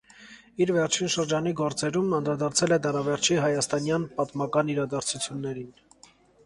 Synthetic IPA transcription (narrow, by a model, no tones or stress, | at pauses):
iɾvɛɾt͡ʃʰinʃəɾd͡ʒɑniɡɔɾt͡sɛɾumɑnd̪ɾɑd̪ɑɾt͡sʰɛlɛd̪ɑɾɑvɛɾt͡ʃʰiɦɑjɑst̪ɑnjɑnpɑt̪mɑkɑniɾɑd̪ɑɾt͡sʰut͡sʰjunːɛɾin